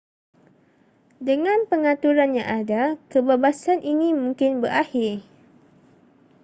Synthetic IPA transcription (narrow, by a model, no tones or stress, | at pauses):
dəŋãnpəŋat̪uɾanjã̰ŋʔadakəbebasanʔinimũŋkɪnbərʔahɪr